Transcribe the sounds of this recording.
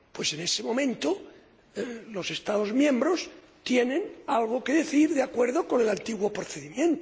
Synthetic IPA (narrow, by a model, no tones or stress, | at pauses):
pwe̞se̞nesemõmẽnt̪o | lose̞st̪aðozmjẽmbɾos | t̪jenẽnalɣ̞okeðe̞θiɾðeakweɾðokonelant̪iɣwopɾoθeðimjẽnt̪o